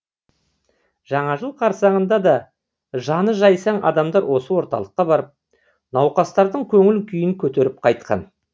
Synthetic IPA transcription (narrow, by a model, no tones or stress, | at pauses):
ʒ̥ɑɴɑʒəlˠqʰɑɾsɑɴənd̪ɑd̪ɑ | ʒɑnəʒɑjsɑɴʔɑ̰d̪ɑmd̪ɑɾwo̞səwo̞ɾt̪ɑ̰lˠəqːɑbɑɾəp̚ | nɑwqɑst̪ɑɾd̪əɴkʲʰɵŋɪlkʲʰʏjɪŋkʲʰɵt̪e̞ɾɪp̚qʰɑjt̪̚qʰɑ̰n